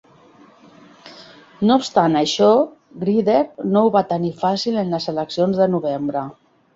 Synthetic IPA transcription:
noupst̪anəʃɔ | ɣɾiðeɾnouβat̪ənifasilənləzələksionzðənuβ̞embɾə

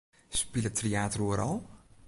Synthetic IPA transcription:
spilˠətreaːtruəɾɔlˠ

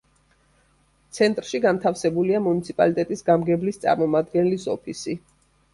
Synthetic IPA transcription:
t̪sʰɛnt̪ʼɾʃiɡant̪ʰafsɛbuliamunit̪sʰipʼa̰lit̪ʼɛt̪ʼisɡamɡɛblist̪sʼa̰ɾmɔmad̪ɡɛnɛlisɔ̰pʰisi

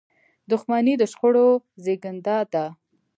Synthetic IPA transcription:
d̪ʊxmanid̪əʃxoɽozeɡənd̪ɑt̪a

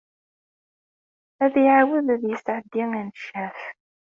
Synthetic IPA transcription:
æðiʕawəðæðjɪsʕəd̪ːiŋænʃæf

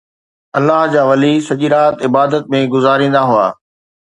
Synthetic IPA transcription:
ɐlːaɦd͡ʑaːʋɐlisɐʄiɾaːt̪ɪbaːd̪ət̪̚mẽɡʊzaːɾĩːnd̪aɦua̰ː

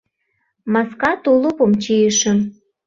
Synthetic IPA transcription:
mɑskɑt̪ulopomt͡ɕijəʃə̆m

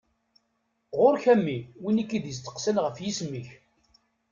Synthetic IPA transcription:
ʁʊɾçæmːiwinikːid̪jəst̪ːə̥qsəlʁəfjisməç

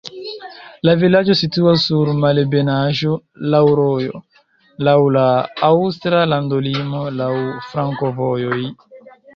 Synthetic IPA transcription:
lavilad͡ʒo̞situasːuɾmalebenaʒo | lawɾojo̰ | lawlaawstɾalandolimo̞lawfɾaŋkovo̞joj

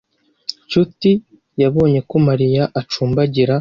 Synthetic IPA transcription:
t͡ʃuti | jaβo̞ːɲe̞ko̞maɾijaʔat͡ʃuːmbaɟiɾa

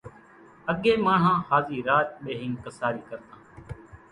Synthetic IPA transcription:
əɠeːmãːɳ̤ɦãːhaːziːɾaːt̪̚ɓeːɦɪ̃ŋkəsaːɾiːkəɾt̪ãː

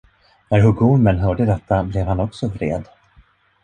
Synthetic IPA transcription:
næɾɦɵɡumənɦœːɖəd̪ɛt̪ʰːablɛvhanɔksɔvɾḛːd̪

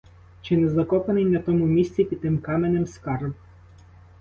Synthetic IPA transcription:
t͡ʃɪnɛzɐkɔpenɪjnɐt̪ɔmʊmʲisʲt͡sʲipʲid̪̚t̪ɪmkɑmenemskɑrb

